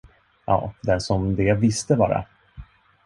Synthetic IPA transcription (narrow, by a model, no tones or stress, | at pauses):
jʔɑ̰ːd̪ɛnʂɔmd̪ɛvɪst̪əbɑ̰ːɾa̰